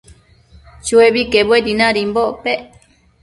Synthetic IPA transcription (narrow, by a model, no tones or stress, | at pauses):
t͡ʃueβikeβwedinãɾimboʔpe